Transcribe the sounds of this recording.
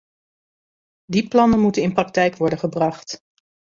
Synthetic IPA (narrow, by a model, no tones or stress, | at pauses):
diplɑnənmutənɪnprɑk̚tɛjkʋɔɹdənχəbrɑχt